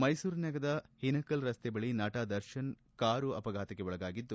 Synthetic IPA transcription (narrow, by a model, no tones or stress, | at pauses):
mɐjsuːɾnɐɡɐd̪ɐhinɐkɐlɾɐst̪ɛbɐɭinaːʈaːd̪ɐɾʃɐn | kaːɾuɐ̰pɐɡʱaːt̪ɐɡeʋɔɭɐɡaːɡid̪ːu